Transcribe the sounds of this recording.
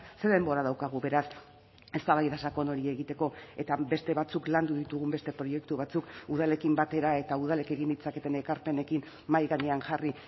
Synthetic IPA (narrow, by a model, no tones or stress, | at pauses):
se̞ɾðe̞mbo̞ɾaðawkaɣ̞uβe̞ɾas | e̞st̪aβajðasako̞no̞ɾie̞ɣit̪e̞ko̞e̞t̪abe̞st̪e̞βat͡sukland̪uðit̪uɣ̞umbe̞st̪e̞pɾo̞je̞kt̪uβat͡sukuðale̞kimbat̪e̞ɾae̞t̪auðale̞ke̞ɣ̞ind̪it͡sake̞t̪e̞ne̞kaɾpe̞ne̞kin | majɣaɲe̞aŋʝari